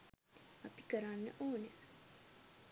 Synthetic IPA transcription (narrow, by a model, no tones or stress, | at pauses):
api̥kəɾanːə̰ʔoːnə